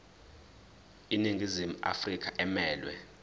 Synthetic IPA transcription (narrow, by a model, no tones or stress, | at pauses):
iniŋʱizimua̰frik̬ʰʼaʔɛmɛːlwɛ̰